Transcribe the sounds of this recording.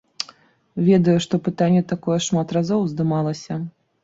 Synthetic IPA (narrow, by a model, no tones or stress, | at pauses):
vʲɛd̪ɐjuʂt̪ɔpɨt̪anʲːɛt̪akɔjɛʂmat̪razɔwzd̪ɨmalˠɐsʲɐ